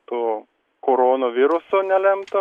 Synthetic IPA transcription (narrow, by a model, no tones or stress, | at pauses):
t̪oː | koːɾoːnoʋʲɪɾʊsoːnʲɛlʲɛmt̪ɐ